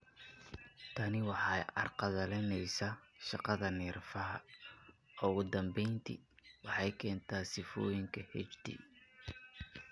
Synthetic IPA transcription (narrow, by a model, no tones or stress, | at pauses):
t̪ʰɐnɪwɑħɑjɐ̰rqɑðɐlɛnɛjsaʃɑqɑðɐnɛːrfɐɦɐ | ɔɣʊd̪ɐmbɛjnt̪ʰḭwɑħɑjkʰɛːnt̪ʰaːsɪfɔːjɪŋkʰɐhɛ̰t͡ʃt̪ʰḭ